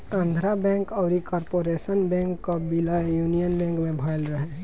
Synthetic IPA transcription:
ãnd̪ʱɾabɛ̃ːŋkɔʊɾikɔːɾpoɾesənbɛ̃ŋkːobilajuːnijənbɛ̃ːŋkmẽbʱaɪlɾəɦe

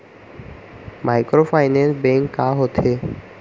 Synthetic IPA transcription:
majkɾofajnensbeŋkːaɦot̪ʰe

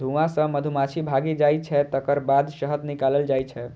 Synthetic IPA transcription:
d̪ʱuʋãsə̃məd̪ʱumat͡ʃʰibʱaɡid͡ʒajt͡ʃʰɛt̪əkəɾbad̪səɦət̪nikaləld͡ʒajt͡ʃʰɛ

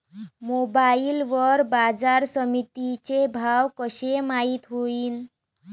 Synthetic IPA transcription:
mobailʋəɾbad͡zaɾsəmit̪it͡ɕebʱawkəɕemait̪ɦoiːn

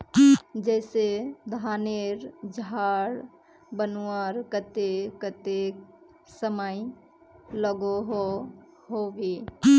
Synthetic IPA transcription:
d͡ʒɛːsed̪ʱaneɾd͡ʒɦaɽ | bənuəɾkət̪ekət̪e | səməj | ləɡoɦo | ɦoʋe

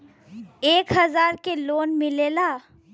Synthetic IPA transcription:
eːkɦɐzaːɾkeloːnmɪleːlaː

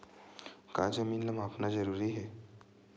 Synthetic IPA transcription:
kaːd͡ʒɐmiːnlɐmaːpnazɐɾuːɾiɦɛː

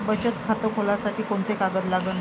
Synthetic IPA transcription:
bət͡ɕət̪kʰat̪əkʰolasaʈiːkoɳt̪ekaɡət̪laɡən

